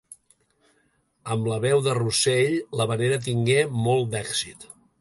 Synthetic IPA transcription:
əmləβɛwðəruseʎləβəneɾət̪̬iŋɡemɔlˠd̪ɛksit̪

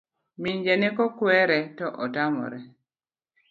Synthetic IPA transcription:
miɲd͡ʒɛnɪkɔkwɛɾɛtɔʔɔtamɔ̰ɾɛ

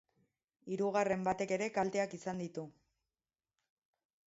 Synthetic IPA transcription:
iɾuɣare̞mbat̪e̞ke̞ɾe̞kalt̪e̞akisand̪it̪u

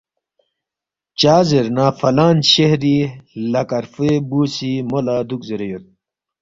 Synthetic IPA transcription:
t͡ɕaːzeɾnaːfɐlaːnɕehɾilɐkɐɾfebuːsimolaːd̪ukzeɾejot̪̚

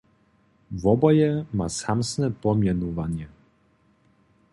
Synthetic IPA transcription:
vɔbɔjɛmasamsnɛpɔmʲjɛnuvaɲɛ

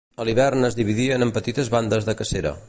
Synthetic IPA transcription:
əlˠiβ̞ɛrnəzðiβ̞iðiənəmpət̪it̪əzβand̪əzðəkəseɾə̰

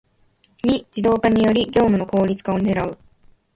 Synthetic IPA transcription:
ɲid͡ʑid̪o̞ːkaɲ̟ijo̞ɾʲiɡʲo̞ːmɯ̟no̞ko̞ːɾʲit͡sɨ̥kao̞ne̞ɾaɯ̟

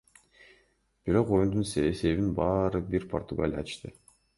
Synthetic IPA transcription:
b̥iɾo̞qojund̪unsse̞βinbɑːɾɯbiɾpʰo̞rt̪uɡa̰lʲjɑ̰ʃt̪ɯ

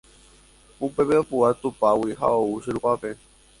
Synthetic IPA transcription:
upe̞βeopuat̪upawiɦa̰ouʃɨɾuʔape

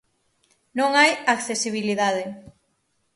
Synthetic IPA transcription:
nõŋajakθesiβ̞iliðað̞e

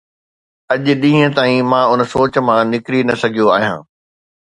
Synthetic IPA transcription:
ɐʄɗĩːɦə̃t̪aːĩmãːʊnsoːt͡ɕ̆mãnɪkɾinɐsɐɡʱijoaːɦijã̰ː

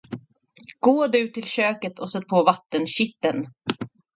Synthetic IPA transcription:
ɡ̥oːd̪ʉ̟t̪ʰːɪlɕøːkət̪ʰɔsœt̪̚ːpʰoːvat̪ːənɕɪt̪ːən

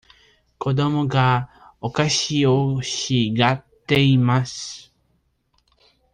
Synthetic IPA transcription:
kʰo̞d̪o̞moɡa | okaɕioɕiɡat̪ːe̞imasɨ̥

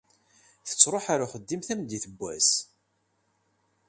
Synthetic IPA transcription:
θə̥t͡sːɾˤoħaɾaχəd̪ːimθæmd̪iθəbːæ̰s

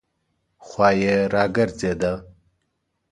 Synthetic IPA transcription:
xwaːjeɾaːɡɐɾt͡sed̪a

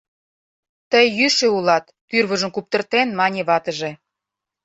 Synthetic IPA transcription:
t̪əjːyʃĕulɑt̪ːyrβəʒə̆mkup̚t̪ərt̪enmɑnʲeβɑt̪əʒĕ

